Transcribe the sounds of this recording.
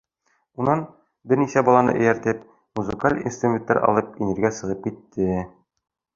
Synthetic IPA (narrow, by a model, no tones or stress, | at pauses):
unːɑn | bɘɾnisæbɒlˠɑnɤ̰ʔɘ̆jæɾt̪ɘp̚ | muzɘkalʲḭnst̪rumʲent̪ːɑɾʔɒ̰lˠɤp̚inɘ̆ɾɡæsɤ̆ʁɤp̚kit̪ːɘ